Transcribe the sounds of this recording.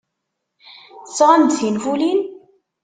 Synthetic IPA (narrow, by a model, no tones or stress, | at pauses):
θəsːʁand̪θinfulin